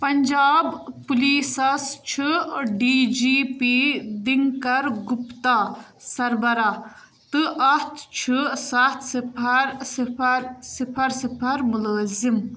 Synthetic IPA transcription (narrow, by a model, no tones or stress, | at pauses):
pɐnd͡ʒaːbpuliːsɐst͡ʃʰɨɖiːd͡ʒiːpid̪iŋkɐɾɡupt̪aː | sɐɾbɐɾa | t̪ɨʔɐst̪ʰt͡ʃʰɨsɐt̪ʰsipʰɐɾsipʰɐɾsipʰɐɾsipʰɐɾmuləːzim